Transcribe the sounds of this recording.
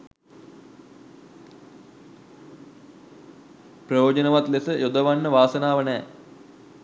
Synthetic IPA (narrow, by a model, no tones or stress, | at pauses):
prəjoːd͡ʒənəʋat̪lesəjod̪əʋanːəʋaːsənaːʋənɛː